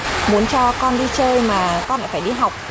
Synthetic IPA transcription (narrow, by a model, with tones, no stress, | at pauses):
mu˨˦ənt͡ɕɔ˧kɔ˧nɗi˧t͡ɕəː˧jmaː˨˩kɔ˧nla̰ː˧˩faː˧˩jɗi˧ɦa˨˩wk͡p̚